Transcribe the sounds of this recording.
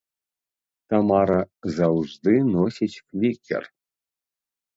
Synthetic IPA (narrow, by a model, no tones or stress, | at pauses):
t̪amaɾɐzawʐd̪ɨnɔsʲit͡sʲklʲikʲɛ̰r